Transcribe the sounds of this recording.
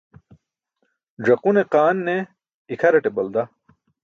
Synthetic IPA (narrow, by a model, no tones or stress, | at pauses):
ʐɐquneqaːnːe | ikʰɐɾɐʈebɐld̪a